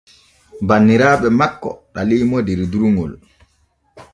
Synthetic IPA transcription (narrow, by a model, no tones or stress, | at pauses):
banːiɾaːɓɛmakːɔ̰ɗalijmɔdɛɾduɾuŋɡɔl